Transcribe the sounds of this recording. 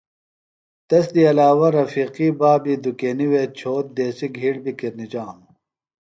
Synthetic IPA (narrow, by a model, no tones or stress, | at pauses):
t̪ɐsd̪iɐlaːwɐɾɐfiːqibaːbid̪ukeːniweːt͡ɕʰoːt̪̚d̪eːsiɡʱiːɽbikiɾnid͡ʑaːm